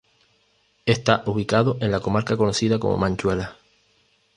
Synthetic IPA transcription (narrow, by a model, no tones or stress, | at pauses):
e̞st̪aʔuβ̞ikaðoʔẽ̞nlako̞maɾkako̞no̞siðako̞̰mo̞̰mãɲt͡ʃwe̞la